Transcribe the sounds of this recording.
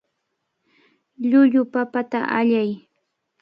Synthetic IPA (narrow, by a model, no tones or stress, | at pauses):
ʎʊʎʊpapat̪a̰ʔaʎaj